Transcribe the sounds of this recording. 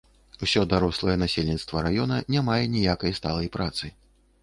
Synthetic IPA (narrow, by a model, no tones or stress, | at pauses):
wsʲɔd̪aɾɔslˠɐjɛnasʲelʲnʲit̪st̪vɐɾajɔnɐnʲamajɛnʲijakɐjst̪alˠɐjpɾat̪sɨ